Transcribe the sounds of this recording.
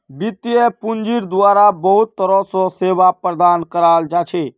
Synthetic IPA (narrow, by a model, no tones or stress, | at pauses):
bit̪ːijepund͡ʒiɾd̪uaɾabəɦut̪ːəɾɔ̃sɔ̃sebapɾəd̪ankəɾald͡ʒat͡ʃʰɛ